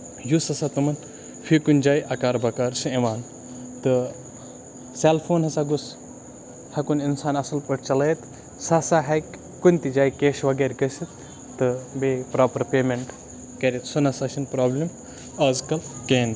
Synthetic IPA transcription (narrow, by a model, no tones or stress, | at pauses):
jusɐsat̪ɨmɐn | fikunʲd͡ʒaːjʔɐkaːɾbɐkaɾsɨeʋaːn | t̪ɨ | seːlpʰoːnɦɐsaɡus | hɐkuninsaːnɐsɐlpɐʈt͡ʃɐleːt̪ | sasaɦɐkʲ | kunʲt̪id͡ʒaːjkeːʃʋɐɡeːɾʲkɐsit̪ː | ɨbepɾaːpɐɾpeːmeɳʈ | kɐɾʲet̪sɐnɐsɐʃinpɾaːblim | ɐzkɐlkeːn